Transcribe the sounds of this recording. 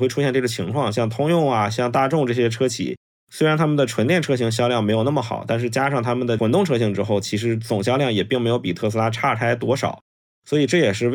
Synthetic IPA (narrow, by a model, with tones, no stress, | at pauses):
xwe˥˩ɪʈ͡ʂʰu˥ɕjɛ˥˧nʈ͡ʂɤ˥˩ɡə˩t͡ɕʰi˧˥ŋkʰwɑ˥˧ŋɕjɑ˥˩ŋt̪ʰʊ˥ŋjʊ˥˩ŋa˩ɕjɑ˥˧ŋt̪a˥˧ʈ͡ʂʊ˥˧ŋʈ͡ʂɤ˥˩ɕ̬jɛ˥ʈ͡ʂʰɤ˥t͡ɕʰḭ˨˩ | swɪɻa˧˥nt̪ʰa˥mə˨nd̪ə˩ʈ͡ʂʰwə˧˥nt̪jɛ˥˩nʈ͡ʂʰɤ˥ɕi˧˥ŋɕ̬jɑ˥ʊljɑ˥˩ŋme˧˥ɪjo˨˩ʊna˥˩mə˩xɑ̰˨˩˦ʊt̪a˥˧nʂ̬ɻ̩˥˩t͡ɕja˥ʂɑ˥˩ŋt̪ʰa˥mə˨nd̪ə˩wə˨˩nt̪ʊ˥˩ŋʈ͡ʂʰɤ˥ɕi˧˥ŋʈ͡ʂɻ̩˥xo˥˩ʊt͡ɕʰi˧˥ʂɻ̩˧˥t͡sʊ˨˩ŋɕ̬jɑ˥ʊljɑ˥˩ŋjɛ˨˩pi˥˩ŋm˧˥ɪjo˧˥ʊpi˨˩t̪ʰɤ˥˩sɹ̩˥a˥ʈ͡ʂʰa˥˩tʰa˥ɪt̪wɔ˥ʂɑ̰˨˩˦ʊ | swɔ˧˥i˨˩ʈ͡ʂɤ˥˩jɛ˨˩ʂɻ̩˥˧